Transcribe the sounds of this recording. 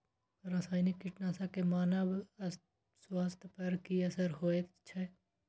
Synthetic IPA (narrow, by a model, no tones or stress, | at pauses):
ɾaːsaːjnɪkːɪʈnaːsakemaːnəb | swaːst̪ʰpɐɾkiɐsəɾɦoːet̪t͡ʃʰɛ